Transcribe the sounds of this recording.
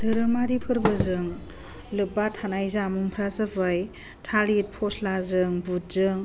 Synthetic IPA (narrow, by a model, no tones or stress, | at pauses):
dɯɾɯmaɾipʰɯɾbɯzɯŋ | lɯbatʰanajzamuŋpʰɾazabɯj | tʰalit̚pʰɔslazɯŋbut̚zɯŋ